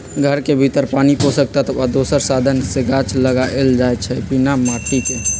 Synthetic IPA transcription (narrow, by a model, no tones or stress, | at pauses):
ɡʱəɾkebʱit̪əɾpaniposək̚t̪at̪əʋad̪osəɾsad̪ʱənseɡat͡ʃləɡaʔeld͡ʒaet͡ʃʰɛbinamaʈ̪ike